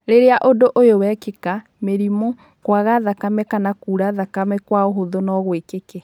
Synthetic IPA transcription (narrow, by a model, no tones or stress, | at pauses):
ɾeɾeaʔodoʔojowɛkeka | meɾimo | kwaɣaðakamɛkanakuːɾaðakamɛkwaoɦoðonɔɣwekeke